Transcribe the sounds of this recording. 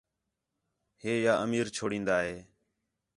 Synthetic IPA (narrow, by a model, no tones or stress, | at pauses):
heːjaːʔəmiːɾt͡ʃʰoːɽĩːnd̪aːɦeː